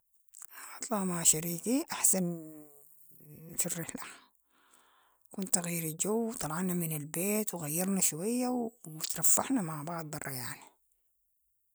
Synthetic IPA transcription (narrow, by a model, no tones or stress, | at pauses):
ʔʕt̪ˤlɑːmaʃaɾiːkiʔaħsan | firːɪħla | kunt̪aɣijːɾid͡ʒawːt̪ˤɑlʕɑnamɪnalbeːt̪wɣajːɑɾˤnaʃwajːawt̪ɾˤɑfːɑħnamaʕbɑʕd̪̚ˤbɑrˤːɑja̰ʕni